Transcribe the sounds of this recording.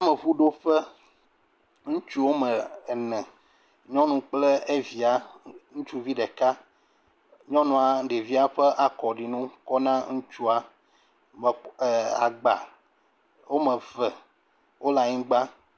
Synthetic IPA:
a˦me˨βu˦ɖo˦ɸɛ˦ | ŋũ˦t͡ʃu˦wo˦mɛ˨nɛ̃˨ | ɲɔ̃˦nũ˨k͡ple˦e˦vi˨a˦ŋũ˦t͡ʃu˦vi˦ɖɛ˨ka˦ | ɲɔ̃˦nũ˨a˨ɖe˨vi˦a˦ɸɛ˦ʔa˨kɔ˨ɖi˨nũ˦kɔ˦nã˦ŋũ˦t͡ʃu˦a˦ | m˨a̰˨ɡ͡ba˨ | wo˦mə̃˨vɛ˨ | wo˦la˨ɲĩ˦ɡ͡ba˦

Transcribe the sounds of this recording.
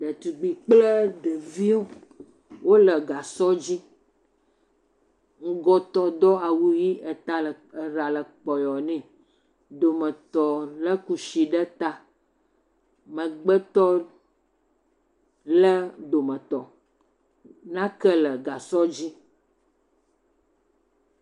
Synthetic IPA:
ɖə˨t̪u˨ɡ͡bi˨k͡plə˦ɖ̪ə˨vi˦wo˦ | wo˦lə˨ɡa˨sɔ˦d͡ʑi˦ | ŋ̩˦ɡɔ˦t̪ɔ˦d̪ɔ˦a˨wu˦ji˦ə˨t̪a˦lə˨ | ə˨ɾa˨lə˨k͡pɔ˨jɔ˨nɛ̃˨ | d̪o˨mə̃˨t̪ɔ˨lə˦ku˨ʃi˨ɖə˦t̪a˦ | mə̃˨ɡ͡bə˦t̪ɔ˦ | lə˦d̪o˨mə̃˨t̪ɔ˨ | nã˦kə˦lə˨ɡa˨sɔ˦d͡ʑi˦

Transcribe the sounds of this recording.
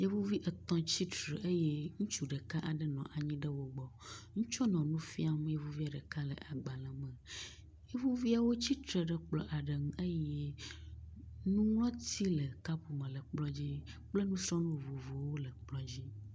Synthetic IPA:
je˦vu˦vi˦ʔə˨t̪ɔ̃˦t͡ɕi˦tɾe˨ʔə˦je˦ŋũ˦t͡ʃu˨ɖə˨ka˦ʔa˨ɖə˦nɔ̃˨ʔa˨ɲĩ˦ɖə˦wo˦ɡ͡bɔ˨ŋũ˦t͡ʃɔ˦nɔ̃˨nũ˦fi˦a˦m˦je˦vu˦vi˦a˨ɖə˨ka˦lə̰˨ʔa˨ɡ͡ba˨lə˨mə̃˨ | je˦vu˦vi˦a˨wo˦t͡ɕi˦t̪ɾɛ˨ɖə˦k͡plɔ̰˦ʔa˨ɖə˨ŋũ˦ʔe˦jɛ˦ | nũ˦ŋl̃ɔ̃˦t̪i˦lə˨ka˦pu˨mə̃˨lə˨k͡plɔ˦d͡ʑi˦k͡plə˦nũ˦sɾɔ̃˦nũ˦vo˨vo˨wo˦lə˨k͡plɔ˦d͡ʑi˦

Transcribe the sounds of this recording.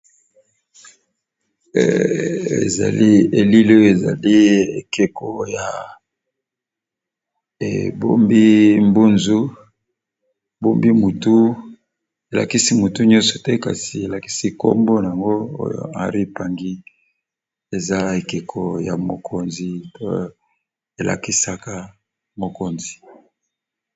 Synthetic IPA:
ḛ˨za̰˨li˦e˨li˦lo˦jo˨e˨za̰˨li˦ḛ˨ke˨ko˨ja˨ | ḛ˨bo˦mbi˦mbu˦nzu˦˨ | bo˦mbi˦mu˨tu˦ | e˨la̰˨ki˦si˦mu˨tu˦ɲɔ̃˦nsɔ̥˨tɛ˦ka̰˨si˨e˨la˨ki̥˦si˦ko̰˦mbo˦na˨a˨ŋɡo˦o̰˦jo̰˨a˨ʁi˦pa˨ŋɡi˦ | e˨za˦e˨ke˨kʰo˨ja̰˨mo˨kʰo˦nzi˨to̰˦˨ | e˨la̰˨ki˦sa˦ka˦ | mo˨ko˨nzi˨

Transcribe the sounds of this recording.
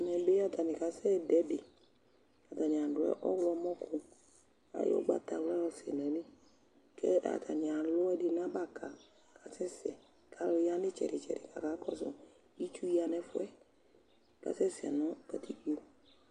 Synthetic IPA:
nɛ˨be˦a˦ta˨nɪ˨ka˨sɛ˦dɛ˨˦dɪ˨ | a˨ta˨nɪ˨a˨dʊ˨ɛ̰˨˦ʔɔ˦wlɔ˧˦mɔ̃˦kʰʊ˨ | a̰˨˦jɔ̰˦ɡ͡ba̰˦ta˨wa˦lɔ˨sɛ̰˨nɛ̃˨˦lɪ˦ | kɛ˦ʔa̰˨tʰa̰˨nɪ˨a˨lʊ˦ɛ˦dɪ˦nã˦ba˦˨ka˨ | kʰa˨sɛ˦sɪ˨ɛ˨ | kʰa˨˦lɔ˧ja˦dɪ˦t͡ʃɛ̰˨ɾɪ˨t͡ʃɛ̰˨ɾɪ̰˨ka̰˨ka˨˦kɔ̰˦sɔ̰˨ | i˦t͡ʃu˦i˦a˨nɛ˧fʊ˦ɛ˦ | ka̰˨sɛ˦sɛ̰˨nɔ̃˦ka˨tʰi˦i˨o˨

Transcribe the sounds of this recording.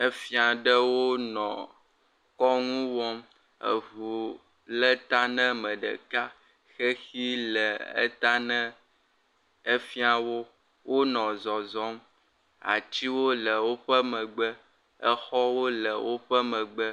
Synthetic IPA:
ə˦fi˦a˨ɖə˦wo˦nɔ̰̃˨ | kɔ˦ŋũ˦wɔ˦m | ə̰˨vu˨ | lə˦t̪a˦nə̃˦mə̃˨ɖə̰˨ka˦ | xe˦xi˦lə˨ə̰˦t̪a˦nə̃˦ | e˦fi˦a˨wo˦ | wʔo˦nɔ̃˨zɔ˨zɔ˦m | a̰˨t͡ɕi˦wo˦lə˨wo˦ɸə˦mə̃˨ɡ͡bə˦ | ə̰˦xɔ˦wo˦lə˨wo˦ɸə˦mə̃˨ɡ͡bə˦

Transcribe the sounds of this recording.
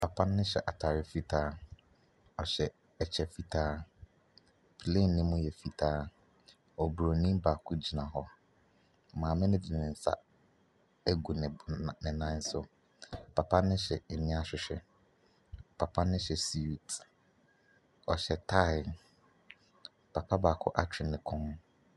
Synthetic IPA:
pʰa˨pʰã˦nːɪ̃˦ɕɛ̰˨ʔa˨tʰa˨ɾɪ˦fi˦tʰaː˦ | ɔ˨ɕɛ˨ | ɛ˨t͡ɕʰɛ˨fi˦tʰaː˦ | pʰle˦˨n̩ː˨ɪ̃˦mʊ̃˦jɛ˨fi˦tʰaː˦ | ɔ˨bu˨ɾo˨nĩ˦baː˨kʰʊ˦d͡ʑi˨nã˨ɦɔ˦˨ | mãː˨mɪ̃˦nʊ̃˦di˨nɪ̃˨n̩˨sa̰˦ | æ˦ɡu˨nɪ̃˨nɪ̃˨nã˦n̩˦sʊ˦ | pʰa˨pʰa˦nɪ̃˦ɕɛ˨nɪ̃˦a˦ɕᶣɪ˨ɕᶣɛ̰˨ | pʰa˨pʰa˦nɪ̃˦ɕɛ˨si˦˨t | ɔ˨ɕɛ˨tʰa˦ɪ˨n | pʰa˨pʰa˦baː˨kʰʊ̰˦ʔa˦t͡ɕʰᶣɪ˨nɪ̃˨kʰʊ̃˦m

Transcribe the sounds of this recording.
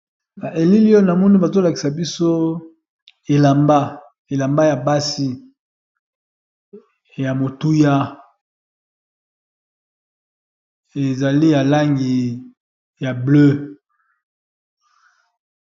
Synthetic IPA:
na˨ʔe˨li˦li˦jo˦na˨mɔ˦ni˦ba˨zo˦la˨ki˨sa˨bi˦so˦ | e˨la˨mba˦ | e˨la˨mba˦ja˨ba˦si˦ | ja˨mo˨tu˦ja˦ | e˨za˨li˦ja˨la˦ŋɡi˨ | ja˨blø˦

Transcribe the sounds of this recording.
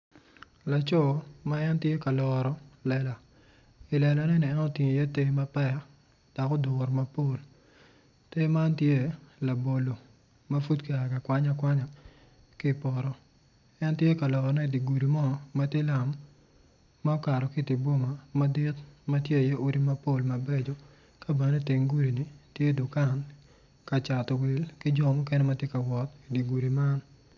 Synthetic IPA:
la˨t͡ʃɔ˦˨ma˦ɛ˦ntje˦ka˨lɔ˨ɾɔ˨lɛ˨la˨ | ɪ˨lɛ˨la˨nɛ˦ni˨ɛ˦nɔ˦˨ti˨ɲ˨ja˦te˦ma˦pɛ˦ | d̥ɔ˨kɔ˦dʊ˨ɾma˦po˦l | te˦ma˦ntje˦la˨bo˨lo˨ | ma˦fu˦tke˨a˨ka˨kwa˦ɲa˦kwa˦ɲa˨ | ki˦˨pɔ˨ɾɔ˨ | ɛ˦ntje˦ka˨lɔ˨kɔ˨nɛ˦i˨di˨ɡu˨ɾi˨mɔ˦˨ma˦tje˦la˨mː | a˦ka˨ɾɔ˨kɪ˦tɪ˨bo˦ma˨ma˦dɪ˦tma˦tje˦˨je˦ʔo˦ɾi˦ma˦po˦˨lma˨be˦d͡ʒo˨ | ka˦be˨ne˦tɪ˨ŋɡu˦ɾi˨ni˨tje˦dʊ˨ka˦˨n | ka˨t͡ʃa˨tɔ˨wɪ˨lkɪ˦d͡ʒɔ˦˨mɔ˦kɛ˦nɛ˦ma˦tje˦ka˨wɔ˨ti˨di˨ɡu˨ɾi˨ma˦n

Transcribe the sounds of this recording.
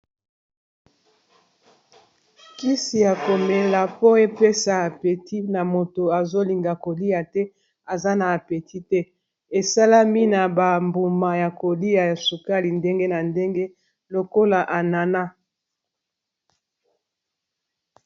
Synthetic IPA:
ki˦si˨ja˨ko˨me˨la˨po˦e˦pe˦sa˨a˨pe˨ti˦na˨mo˨to˨a˨zo˦li˨ŋɡa˨ko˨li˦ja˨tɛ˦ | a˨za˦na˨a˨pe˨ti˦tɛ˦ | e˨sa˦la˦mi˦na˨ba˨mbu˨ma˨ja˨ko˨li˦a˨ja˨su˨ka˦li˨nde˦ŋɡe˦na˨nde˦ŋɡe˦ | lo˨ko˦la˨ʔa˨na˨na˦

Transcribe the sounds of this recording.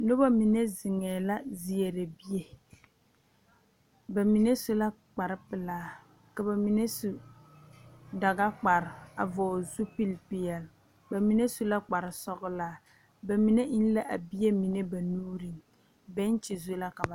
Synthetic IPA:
nʊ˦ba˦mi˨ne˦zɪ˨ŋɛː˨la˦zi˨e˨ɾe˨bi˦je˨ | ba˨mi˨ne˦su˦la˦ | k͡pa˨ɾɪ˦pɪ˨laː˦ | ka˨ba˨mi˨ne˦su˦ | da˨ɡa˦k͡pa˨ɾɪ˨a̰˨vɔː˨zu˦pi˦lpɪ˨jɛ˨l | ba˨mi˨ne˦su˦la˦k͡pa˨ɾɪ˨sɔ˦ɣʊ˦laː˦ | ba˨mi˨ne˦ʔi˦n˦la˦ʔa˨bi˦je˦mi˨ne˦ba˨nuː˦ɾi˨ŋ | bɛ˦n˦t͡ʃɪ˨zu˦la˦ka˨ba˨

